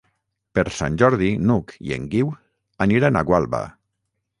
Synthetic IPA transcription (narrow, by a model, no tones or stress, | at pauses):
peɾsa̰nʲʒɔɾðinukḭḛŋɡiw | aniɾanaɣwalˠβa̰